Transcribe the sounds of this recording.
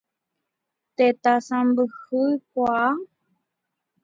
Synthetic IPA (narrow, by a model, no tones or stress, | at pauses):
t̪et̪asãmbɨhɨkʷaa